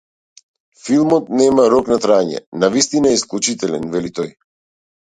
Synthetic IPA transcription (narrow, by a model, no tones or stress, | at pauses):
filˠmɔt̪̚nɛmaɾɔknat̪ɾaɲɛ̰navist̪inaɛisklˠut͡ʃit̪ɛlɛnvɛlit̪ɔj